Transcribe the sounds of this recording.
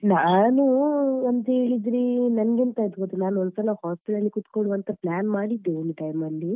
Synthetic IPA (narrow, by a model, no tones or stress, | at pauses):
naːnuɐnt̪ɐe̞ːɭid̪ɾinɐnɐɡent̪ɐit̪ɡot̪enaːnɔnsɐlɐhaːspiʈɐlːikut̪koɭuʋɐnt̪ɐplaːnmaːɽid̪ːenʈɐjmɐlːi